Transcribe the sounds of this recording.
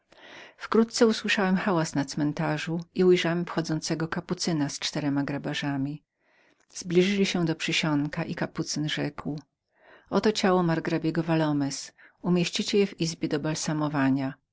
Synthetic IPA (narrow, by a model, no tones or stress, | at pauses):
fkɾut̪̚t̪sɛuswɘʂawɛmxawasnat̪smɛnt̪aʐuiujʐawɛmfxɔd̪zɔnt̪sɛɡɔkaput̪sɘnast͡ʂt̪ɛɾɛmaɡɾabaʐamʲi | z̥blʲiʐɘlʲiɕɛ̃d̪ɔpʂɘɕɔŋkaʔikaput̪sɘnʐɛkw | ɔt̪ɔt͡ɕawɔmaɾɡɾabʲjɛɡɔvalɔmɛs | umʲjeɕt͡ɕit͡ɕɛjɛvizbʲjɛd̪ɔbalsamɔvaɲa